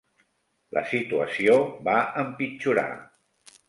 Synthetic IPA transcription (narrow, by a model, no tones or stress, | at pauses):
lʔə̰sit̪uəsiobaəmpit͡ʃuɾa̰